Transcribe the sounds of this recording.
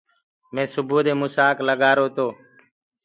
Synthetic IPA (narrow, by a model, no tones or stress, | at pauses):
mẽːsʊbʱuːd̪eːmʊsaːkləɠaːɾoːt̪oː